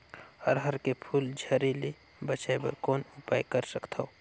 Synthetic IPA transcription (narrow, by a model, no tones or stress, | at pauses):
ɔːɾɦɐɾkepʰuːld͡ʒʱɐɾile | bɐt͡ʃaebɐ̰ɾkɔːnʊpaːjkəɾsəkt̪ʰao